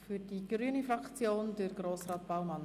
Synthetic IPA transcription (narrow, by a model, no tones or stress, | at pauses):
fyɾdiɡ̥ryːənifrɑkt͡sjoːndəɾɡroːsrɑːtb̥aʊmɑn